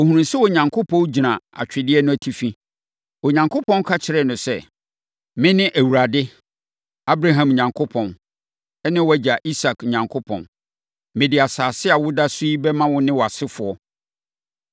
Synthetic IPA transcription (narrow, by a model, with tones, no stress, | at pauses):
o˨hũ˨ũ˨n̩sɪ˦wɔ˨ɲã˨ŋkʰo˦pʰɔ̃˦n˦d͡ʑi˨nã˨a̰˨t͡ɕᶣɪ˨dɪ˦ɛ˦nʊ̃˦æ˨tʰi˨fĩ˦ | ɔ˨ɲã˨ŋkʰo˦pʰɔ̃˦n˦kʰa˦t͡ɕʰɪ˨ɾɛ˦˨nʊ̃˨sɛ˦ | mɪ̃˦nɪ̃˦ʔæ˨wu˨ɾa˨dɪ˦ | a˦bɾa˦ɦã˨m˨ɲã˨ŋkʰo˦pʰɔ̃˨n | ɛ˦nɪ̃˦wæ˦d͡ʑa˨ʔi˦sa˨kɲã˨ŋkʰʊ˦pʰɔ̰̃˨n | mɪ̃˨dɪ˨a˨saː˨sɪ˦a˨wʊ˦da˦su˦i˦bɛ˦mã˦wʊ˦nɪ̃˦wɔ˨a˨sɪ˦fʊ˨ɔ˦